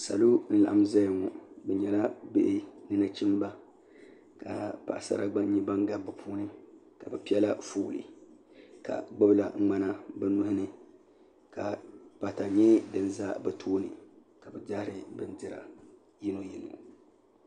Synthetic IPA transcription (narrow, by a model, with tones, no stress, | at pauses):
sa̰˨lu˦n̩˦la˨ʔa˦m˦za˦jŋɔ˨bɛ˨ɲɛ˨la˦bḛ˦ʔɪ˦nɨ˦na˦t͡ʃi˦m˦ba˦ | ka˨pa̰˨ʔsa̰˦ɾa˦ɡ͡ba˦ɲɛ˦ba˦ŋɡa˨bɨ˨pʰuː˦nɨ˦ | ka˨bɛ˨pi˦ɛ˦la˦fuː˦˨lɨ̰˨ | ka̰˨ɡ͡bɔ˦bɨ˦la˨˦ŋ͡ma˦na˦bɛ˦nʊ˦hɪ˦nɨ˦ | ka˨pa˨ta˨ɲɛ˦dɨ˨n˦za˦bɛ˨tʰoː˦nɨ˨ | ka˨bɛ˨daː˦ɾɨ˦bɨ˦ndɨ˦ɾa̰˨ | ji˦no˦ji˨no̰˨